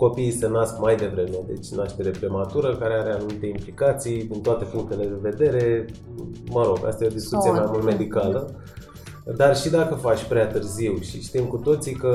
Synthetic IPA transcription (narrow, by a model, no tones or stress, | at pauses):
ko̞pisənaskmajd̪e̞vɾe̞me̞d̪e̞̰t͡ʃʲnaʃt̪eɾe̞pɾemat̪uɾəkaɾe̞aɾe̞anumit̪e̞implikat̪sijd̪int̪oat̪e̞fuŋk̚t̪ele̞d̪e̞ve̞d̪e̞ɾe̞ | məɾo̞ɡa̰st̪ajeo̞d̪iskut̪siemajmult̪me̞d̪ikalə | d̪arʃid̪akəfat͡ʃʲpɾeat̪ɨrziwʃiʃt̪imkut̪o̞t̪sikə